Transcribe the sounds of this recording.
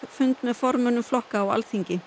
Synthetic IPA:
fʏnt̪mɛðfɔɾmʏnːʏmflɔhkaːwa̰lθiɲcɪ

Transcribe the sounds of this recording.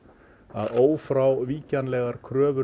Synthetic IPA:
a̰ðoːwfɾawviːcanlɛːɣaɾ̥kʰɾœːvʏ

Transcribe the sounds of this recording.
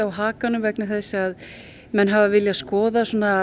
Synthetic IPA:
awɦaːkanʏmvɛknaθɛsːɪað | mɛnɦavavɪljaskɔːðasoːna

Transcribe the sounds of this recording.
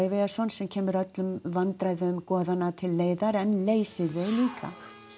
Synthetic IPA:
ɪvejɣasɔnsɛmcʰɛːmʏɾœt̪lʏmvant̪ɾajðʏmkɔːðanːat̪ʰɪlːeːjðaɾɛnleːjsɪðeɣliːkʰa̰

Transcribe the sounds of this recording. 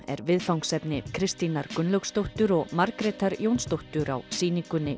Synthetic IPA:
ɛ̰ɾvɪðfawŋksɛpnɪkʰɾɪst̪inaɾkʏnlœkst̪owht̪ʏɾɔɣmaɾkɾɛt̪aɾjownst̪owht̪ʏɾa̰wsiːniŋkʏnːɪ

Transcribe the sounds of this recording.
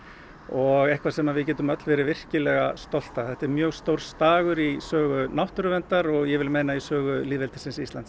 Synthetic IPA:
ɔɣɛhkvasɛmaðvɪðcɛːt̪ʏmœt̪lvɛːɾɪvɪr̥cɪlɛɣast̪ɔl̥t̪aθɛht̪ɛɾmjœːɣst̪owɾ̥st̪aːɣʏɾisœːɣʏnawht̪ʏɾʏvɛnt̪aɾɔɣjɛvɪlmejnaisœːɣʏliːðvɛlt̪ɪ̥sɪnsist̪lant̪s

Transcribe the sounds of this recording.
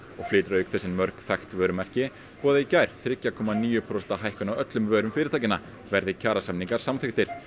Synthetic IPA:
ɔɣflɪːt̪ɾaʏkθɛsːɪnmœɾkθajxt̪vœːɾʏmɛr̥cɪ | pɔːðaicajɾ̥θɾɪcːakʰɔːmaniːjʏpʰɾɔsɛt̪aɦajhkʏnawœt̪lʏmvœːɾʏmfɪːɾɪ̥ɾt̪ʰajcɪnːa | vɛɾðɪcʰaːɾasamniŋkaɾ̥samθɪxt̪ɪɾ̥

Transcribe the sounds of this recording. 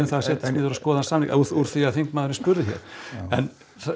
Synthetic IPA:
ʏmθaðasɛːt̪ɪsɪːðʏɾaskɔːðansaːmlḭkauuɾ̥θiaðθiŋkmaːðʏɾɪnspʏɾðɪçɛ̰ɾ̥ɛn | θ

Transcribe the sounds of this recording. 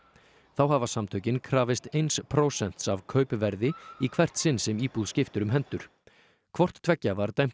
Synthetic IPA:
θawɦavasamt̪ʰœɥcɪnkʰɾaːvɪst̪ejnspʰɾoːwsɛn̥t̪savkʰœːɥpʏvɛɾðɪikʰvɛr̥t̪sɪnːsɛmiːpuðscɪft̪ʏɾʏmɦɛnt̪ʏɾ̥ | kʰvɔr̥t̪ʰvɛcːavaɾt̪ajm̥

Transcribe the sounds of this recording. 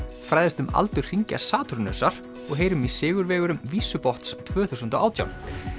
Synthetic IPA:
fɾaːjðɪst̪ʏma̰lt̪ʏɾ̥r̥iɲca̰saːt̪ʰɾnœ̰ːsaɾ̥ | ɔɣɦeːjɾʏmisɪːɣʏɾvɛːɣʏɾʏmviːsʏpɔht̪st̪ʰvœːθusʏnt̪aaːwt̪ʰja̰wn

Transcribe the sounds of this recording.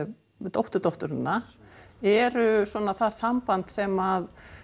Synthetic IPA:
t̪owht̪ʏɾt̪owht̪ʏɾɪnːa | ɛɾʏswɔːnaθaðsampant̪sɛmað

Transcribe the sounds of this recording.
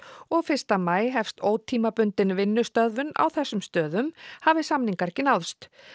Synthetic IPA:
ɔɣfɪr̥st̪amaːjɦɛfst̪oːwt̪ʰiːmapʏnt̪ɪnvɪnːʏst̪œðvʏna̰wθɛsːʏmst̪œːðʏmhavɪsamniŋkaɾ̥cɪnawðst̪

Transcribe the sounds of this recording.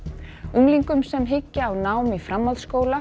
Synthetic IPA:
uŋliŋkʏmsɛmɦɪcːaːwnaːwmifɾamːalskoːwla

